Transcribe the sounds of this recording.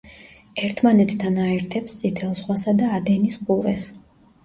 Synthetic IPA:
ɛɾt̪ʰmanɛt̪ʰːanaɛɾt̪ʰɛpst̪sʼit̪ʰɛlˠsχwasad̪aːd̪ɛnisqʼuɾɛ̰s

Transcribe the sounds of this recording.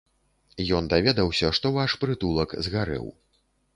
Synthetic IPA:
jɔnd̪avʲɛd̪ɐwsʲɐʂt̪ɔvaʂpɾɨt̪ulˠɐkzɣaɾɛ̰w

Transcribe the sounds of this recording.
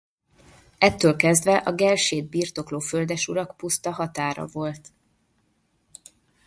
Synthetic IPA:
ɛt̪ːøːlkɛzd̪vɛʔɒɡɛlʃeːd̪̚birt̪o̞kloːføld̪ɛʃuɾɒkpust̪ɒɦɒt̪aːɾɒ̰vo̞lt̪

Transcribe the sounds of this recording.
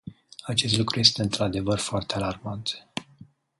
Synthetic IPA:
at͡ʃe̞s̬t̪lukɾuje̞st̪e̞ɨnt̪ɾad̪e̞vərfoart̪ealarmat̪

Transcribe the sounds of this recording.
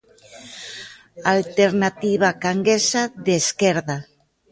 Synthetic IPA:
alt̪eɾnat̪iβ̞akaŋɡesaðeskɛɾða

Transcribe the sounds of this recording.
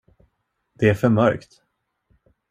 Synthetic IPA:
d̪̥ɛæɾfœɾmœɾkt̪

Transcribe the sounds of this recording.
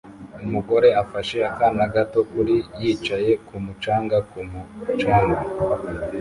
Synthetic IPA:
umuɡo̞ɾe̞afaʃe̞akanaɡato̞kuɾijit͡ʃaje̞kumut͡ʃaːŋɡakumut͡ʃaːŋɡa

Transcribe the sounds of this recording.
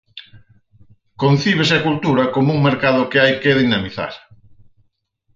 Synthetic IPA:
kon̟θiβ̞esɪakult̪uɾɐkomuŋmeɾkaðʊkeajkeðinamiθa̰ɾ

